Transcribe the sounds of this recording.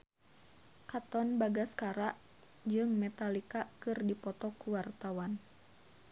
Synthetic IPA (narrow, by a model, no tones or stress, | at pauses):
kat̪ɔnbaɡaskaɾaʔ | d͡ʒɨŋmɛt̪alikakɨrdipɔt̪ɔkuwart̪awan